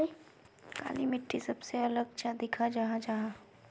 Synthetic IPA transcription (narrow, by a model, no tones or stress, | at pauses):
ka̰ːlimɪʈʰːisɐbseɐləɡ̚t͡ʃad̪ɪkʰad͡ʒɐɦãd͡ʒaɦã